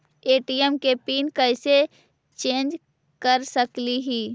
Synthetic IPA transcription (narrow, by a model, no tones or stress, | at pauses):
eːʈiɛmkepiːnkəɪse | t͡ʃẽːnd͡ʒ | kəɾsəkliɦiː